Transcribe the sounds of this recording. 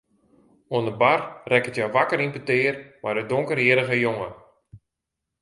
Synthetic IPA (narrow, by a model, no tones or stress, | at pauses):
oənəbarrɛkətjaʋakəɾimpətɪːərmadədoŋkəriəɾəɣəjoŋə